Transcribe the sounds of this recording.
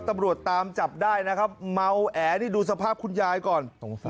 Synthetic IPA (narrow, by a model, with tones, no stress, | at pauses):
t̪a˧mɾu˨˩ət̪ːaː˧mt͡ɕa˨˩p̚daː˥˩jna˦˥kʰa˦˥p̚ma˧wʔɛː˩˦niː˥˩duː˧s̬a˧pʰaː˥˩p̚kʰu˧njaː˧jkɔː˨˩n